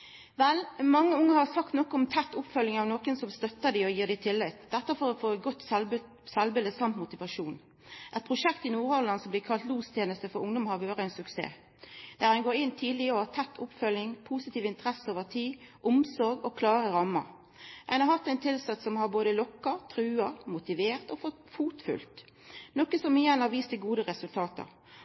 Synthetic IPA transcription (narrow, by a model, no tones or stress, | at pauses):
ʋɛlmɑŋːəʊŋːəhɑʁsɑkt̪nɔkːɔɔmt̪ʰɛt̪ːʊpfœljɪŋɑʋnoːkənsɔmst̪œt̪ːəd̪æɔjiːʁd̪ɪt̪ʰɪlːɪt̪ːd̪ɛt̪ːəfɔɾɔfoːɡɔt̪ːs | sɛlbələsɑmt̪mʊt̪ɪʋɑʂuːn | ʔɛt̪̚pʰʁʊʂɛkt̪ɪnuːɾɔlɑnsɔmb̪lɪːkʰɑlt̪luːst̪ʰjeːnəst̪əfɔɾʊŋd̪ɔmhɑɾʋøːʁəæɪnsʉksḛː | d̪̥æːʁɛnɡoːɾɪnt̪ʰiːd̪lɪɔhɑt̪ʰɛt̪ʰːʊpfœlɪŋpʰuːsɪt̪iːʋɪnt̪əʁɛsəoːʋəʁt̪ʰiːʔʊmsɔɾɡɔkʰlɑːʁəɾɑmːə̰ʁ | ʔæɪnɑɾhɑt̪ːæɪnt̪ʰɪlsɛt̪sɔmhɑʁboːd̪əlɔkːəɾt̪ʰʁʉːɑʁmʊt̪ɪʋeːʁt̪ɔfɔ | fuːt̪fʉ̰lt̪ | nɔkːəsɔmiɛnhɑɾʋiːst̪əɡuːd̪əʁɛsʉlt̪ʰɑːt̪ə̰ʁ